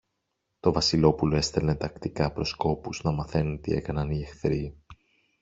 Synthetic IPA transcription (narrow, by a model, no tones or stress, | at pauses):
t̪o̞vɐsilo̞puloe̞st̪e̞lne̞t̪ɐkt̪ikɐpɾo̞sko̞puznɐmɐθe̞nunt̪ḭe̞̰kɐnɐniexθɾi